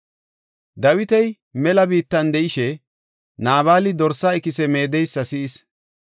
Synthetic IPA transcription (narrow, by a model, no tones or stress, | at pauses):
d̪ɐwɪt̪ɛj | mɛlɐbiːt̪ːɐnd̪ɛʔɪʃɛ | naːβaːlɪd̪ɔɾsaɪkɪsɛme̞ːd̪ɛjsːɐsɪːs